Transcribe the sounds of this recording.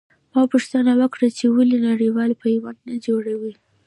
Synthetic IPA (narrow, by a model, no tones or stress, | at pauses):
mɑpʊʂt̪anawəkɽat͡ʃewəlinaɽiwɑlpajwand̪nad͡ʒoɽawi